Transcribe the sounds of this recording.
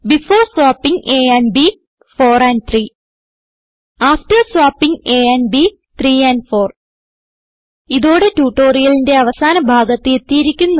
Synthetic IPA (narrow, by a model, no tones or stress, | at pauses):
bifoːrswaːpːiŋe̞ːɐnbi | fo̞ːrɐn̚t̪ʰriː | aːfʈɐrswaːpːiŋeɐnbi | t̪riːɐnfo̞ːr | iðoːɽe̞tuːʈːoːrijɐlinde̞ɐʋɐsaːnɐbʱaːɡɐt̪ːɨe̞t̪ːijiɾikʲːunːɐ